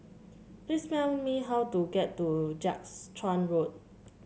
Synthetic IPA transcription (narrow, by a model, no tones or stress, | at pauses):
pɹismɛlmiɦawtuɡɛtːud͡ʒakstʰɹãnɹot̚